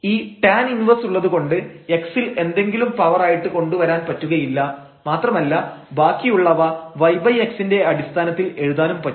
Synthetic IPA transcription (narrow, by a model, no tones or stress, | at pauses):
iːpaːninʋɐsuɭːɐðuko̞ɳɖɨe̞ksile̞nd̪e̞ŋɡilumpɐʋɐraːjiʈːɨko̞ɳɖuʋɐɾaːnpɐtːuɣɐjilːɐ | maːt̪rɐmɐlːɐbaːkːijuɭːɐʋɐʋɐjbɐje̞ksinde̞ɐɽist̪ʰaːnɐt̪ːile̞ɻuðaːlumpɐ